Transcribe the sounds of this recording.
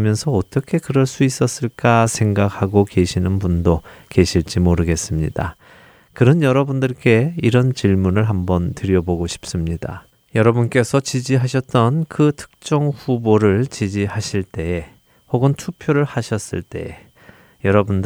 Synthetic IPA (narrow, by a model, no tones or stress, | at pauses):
mjʌnsʰʌːt͈ʌkʰe̞kɯɾʌɭs͈uis͈ʌs͈ɯɭk͈asʰe̞ŋɡakʰaɡoke̞ɕʰinɯnpundoke̞ɕʰiɭt͡ɕ͈imoɾɯɡe̞s͈ɯmɲida̰ | kɯɾʌnjʌɾʌbundɯɭk͈e̞iɾʌnt͡ɕiɭmunɯɭɦambʌntɯɾjʌboɡoɕʰi̥p̚s͈ɯmɲida̰ | jʌɾʌbunk͈e̞sʰʌt͡ɕid͡ʑiɦaɕʰʌt̚t͈ʌnkɯtʰɯ̥k̚t͡ɕ͈ʌŋɸuboɾɯɭt͡ɕid͡ʑiɦaɕʰiɭt͈e̞e | hoɡɯntʰupʰjoɾɯɭhaɕʰʌs͈ɯɭt͈e̞e | jʌɾʌbund